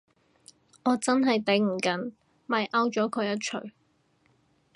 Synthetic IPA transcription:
ʔɔː˨˧t͡sɐ˥nɦɐ˨jt̪e˨˥ŋm̩˨˩kɐ˨˥n | mɐ˨jʔɐ˥wt͡ʃɔː˨˥kʰɵ˨˧ɥjɐ˥t̚t͡ʃʰɵ˨˩ɥ

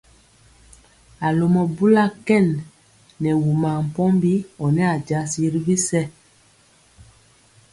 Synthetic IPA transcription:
a˨lo˨mɔ˨bu˦la˦kɛ˦˨nː | ɛ˨wu˨ma˨m̩˨pɔ˦mbi˦ɔ˨nɛ˦a˨d͡ʒa˨˦si˦ɾi˦vi˦sɛ˦

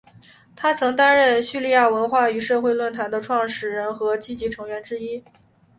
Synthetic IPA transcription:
t̪ʰa˥t͡sʰɤ˧˥ŋt̪a˥nɻə˥˩nɕy˥˧li˥˧ja˥˩wə˧˥nxwa˥˩y˧˥ʂɤ˥˧xwe˥˧ɪlwə˥˩nt̪ʰa˧˥nd̪ə˧ʈ͡ʂʰwɑ˥˩ŋʂɻ̩˥˩ɻə˧˥nxɤ˧˥t͡ɕi˥t͡ɕi˧˥ʈ͡ʂʰɤ˧˥ŋɥɛ˧˥nʈ͡ʂɻ̩˥i˥

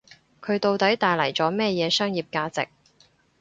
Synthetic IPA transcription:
kʰɵ˨˧ɥt̪o˨wt̪ɐ˨˥jt̪aː˨jlɐ˨˩jt͡sɔː˨˥mɛː˥jɛː˨˧sœː˥ŋjiː˨p̚kaː˧t͡sɪ̰˨k̚

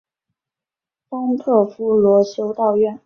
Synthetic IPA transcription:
fɑ˥ŋt̪ʰɤ˥˩fu˥lwɔ˧˥ɕjo˥ʊt̪ɑ˥˧ʊɥɛ˥˩n

